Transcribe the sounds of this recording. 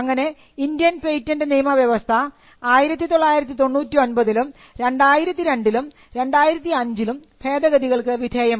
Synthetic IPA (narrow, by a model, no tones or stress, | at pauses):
ɐŋːɐne̞ | indijɐnpejtːɐndɨniːmɐʋjɐʋɐst̪ʰɐ | aːjiɾɐt̪ːit̪o̞ɭːaːjiɾɐt̪ːit̪o̞ɳːuːtːio̞nbɐðilum | ɾe̞ɳɖaːjiɾɐt̪ːiɾe̞ɳɖilum | ɾe̞ɳɖaːjiɾɐt̪ːiɐɲd͡ʑilum | pʰe̞ːd̪ɐɣɐðiɣɐɭkɨʋid̪ʱeːjɐm